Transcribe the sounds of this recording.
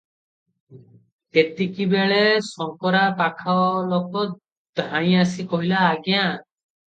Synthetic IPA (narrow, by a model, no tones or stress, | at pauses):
t̪et̪ikibeɭesɔŋkɔɾapakʰaɔlokɔ | d̪ʱãj̃asikɔɦilaːɡjã